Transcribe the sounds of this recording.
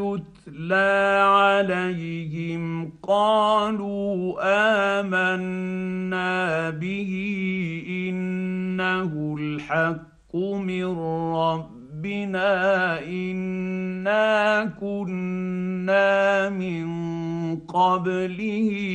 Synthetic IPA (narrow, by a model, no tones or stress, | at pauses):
ʊt̪laːʕalajhɪmqɑːluːʔaːmanː | aːbɪhiʔɪnːahʊlħakːʊmɪnɾɑbːɪnaːʔɪnːaːkʊnː | aːmɪŋ | qɑblɪh